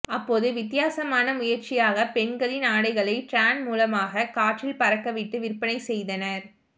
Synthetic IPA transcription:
ɐpːoːðɯʋɪt̪ːɪjaːsɐmaːnɐmʊjɐɾt͡ʃɪjaːɣɐpɛɳɡɐɭɪnaːɽɐɪɣɐɭɐɪʈɾaːnmuːlɐmaːɣɐkaːʈrɪlpɐɾɐkːɐʋɪʈːɯʋɪrpɐnɐɪsɛjðɐnɐɾ

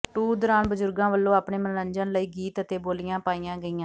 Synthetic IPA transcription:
ʈuːd̪ɔːɾaːnbəzʊɾɡãːʋəlːõːaːpɳeːmənəɲd͡ʒənləiːɡiːt̪ət̪eːboːlɪjãːpaːijãːɡəiːjãː

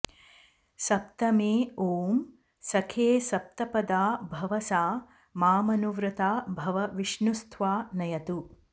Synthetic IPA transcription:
sɐp̚t̪ɐmeːoːm | sɐkʰeːsɐp̚t̪ɐpɐd̪aːbʱɐʋɐsaː | maːmɐnuʋɾɐt̪aːbʱɐʋɐʋiʃnust̪ʰʋaːnɐjɐt̪u

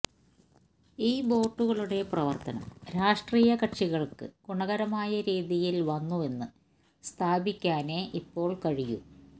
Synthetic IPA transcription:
iːbo̞ːʈːuɣɐɭuɽe̞prɐʋɐrt̪ɐnɐ̰mɾaːʂʈriːjɐkɐʈʂiɣɐɭkɨ̰kuɳɐɣɐɾɐmaːjɐɾiːðijilʋɐnːue̞nːɨ | st̪ʰaːbikʲːaːne̞ːʔipːo̞ːɭkɐɻijṵ

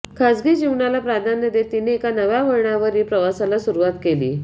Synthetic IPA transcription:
kʰad͡zɡiːd͡ʑiʋɳalapɾad̪ʱanːəd̪et̪ineːkanəʋjaʋəɾɳaʋəɾiːpɾəʋasalasuɾuʋat̪kelḭː

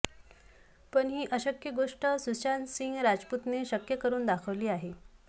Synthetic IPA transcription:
pəɳɦiːʔəɕəkjəɡoʂʈəsuɕansiŋɡɾad͡zput̪neɕəkjəkəɾuːnd̪akʰəʋliːaɦe

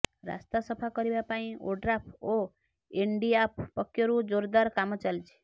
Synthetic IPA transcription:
ɾa̰st̪asʌpʰakɔɾibapaĩoɖɾapʰo | eɳɖiap̚ʰpɔkːjoɾud͡ʒoɾd̪aɾkamɔt͡ʃalt͡ʃʰi̥

